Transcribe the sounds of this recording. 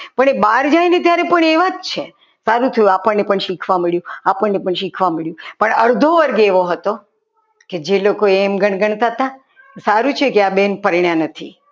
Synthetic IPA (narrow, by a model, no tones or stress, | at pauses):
pəɳebaɾd͡ʒajnet̪jaɾepəɳeʋad͡ʒt͡ʃʰe | saɾũt̪ʰəjũapəɳnepəɳʃikʰʋaməɭjũapəɳːepəɳʃikʰʋaməɭjũpəɳəɾd̪ʱoʋəɾɡeeʋoɦət̪o | ked͡ʒelokoemɡʱəɳ̃ɡəɳt̪at̪ã | saɾũt͡ʃʰekeabenpəɾiɳjanət̪ʰi